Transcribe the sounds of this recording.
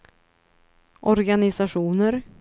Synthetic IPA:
ʔɔɾɡanɪsaʂuːnəɾ

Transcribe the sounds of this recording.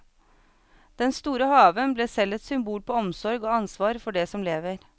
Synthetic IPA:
d̪̥ɛnst̪uːɾəhɑːʋənbleːsɛlət̪sʏmbuːlpoːɔmsɔɾɡoːɑnsʋɑːɾfɔɖeːsɔmleːʋəɾ

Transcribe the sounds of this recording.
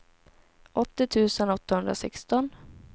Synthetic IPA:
ʔɔt̪ːɪt̪ʰʉ̟ːsənɔt̪ːahɵnd̪ɾasɛkst̪ɔn

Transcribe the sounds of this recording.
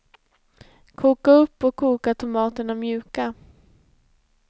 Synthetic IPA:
kʰuːkaɵpːɔkʰːuːkaʈ̪ʰʊmɑːt̪ənamjʉ̟ːka

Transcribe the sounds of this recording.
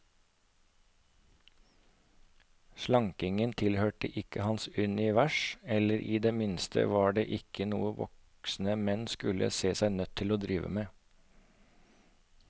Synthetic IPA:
ʃlɑŋkɪŋənt̪ʰɪlhøːʈəʔɪkəhɑnsʉnɪʋæʃɛləɾʔiːd̪eːmɪnst̪ʰə̰ʋɑːɖeːʔɪkənṵːəʋɔ̰k | sn̩əmɛnskʉlə̰seːsæɪnœt̪ʰːɪloːd̪ɾiːʋə̰meː

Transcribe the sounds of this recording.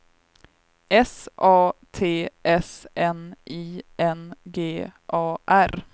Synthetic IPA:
ɛsʔɑːt̪ʰeːʔɛsɛnʔiːɛnɡeːʔɑːʔæɾ

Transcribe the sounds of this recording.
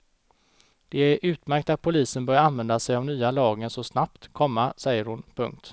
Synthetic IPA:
d̪̥ɛæɾʔʉ̟ːt̪mæɾk̚t̪at̪̚pʰʊliːsənbœɾjaanvɛnd̪asɛjavnyːalɑːɡənsɔsnapt̪kʰɔmːasɛjːəɾhʊnpʰɵ̰ŋk̚t̪

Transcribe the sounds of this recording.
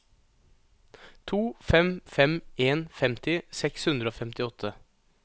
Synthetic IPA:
t̪ʰuːfɛmfɛmeːnfɛmt̪ɪsɛkshʉnd̪ɾəoːfɛmt̪ɪɔt̪ʰːə

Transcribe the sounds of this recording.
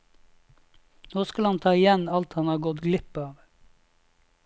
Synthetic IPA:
noːskɑlhɑnt̪ʰɑːɪjɛnɑlt̪hɑnhɑːɡɔt̪ɡlɪpɑːʋ

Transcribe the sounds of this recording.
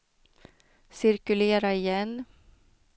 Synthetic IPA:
sɪɾkɵleːɾaɪjɛnː

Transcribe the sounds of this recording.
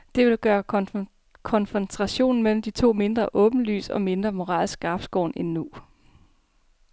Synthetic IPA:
d̥e̝ʋe̝lɡ̥ɶːɐ | kʰɒ̽nfent͡sʰʁɑ̈ɕo̝̰ːn̩mel̰m̩d̥it͡sʰo̝̰ːme̝nd̥ʁɐʔɔ̽ːb̥n̩ly̰ːsɒ̽me̝nd̥ʁɐmo̝ʁɑ̰̈ːlsɡ̥ɑ̈b̥sɡ̥ɒ̰ːnenːu

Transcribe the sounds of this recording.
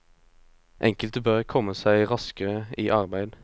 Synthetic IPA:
ʔɛ̰ŋkəlt̪əbøʁkʰɔməsæɪʁɑskəʁəiːʔɑʁbæɪd̪

